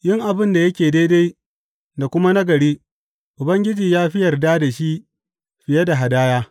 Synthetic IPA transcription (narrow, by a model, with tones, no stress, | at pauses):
jɪ˦ŋʔa˨bɪ˦nda˨jɐ˦kʲeː˨de˦da˦j | da˨kʷʊ˦ma˦nɐ˦ɡɐ˨ɽiː˦ | ʔʊ˨bɐ˦ŋɡʲɪ˦d͡ʒiː˨jaː˦ɸɪ˦jɐ˨rdaː˦da˨ʃi˦ | ɸɪ˨je˦da˨ɦa˨daː˦jaː˦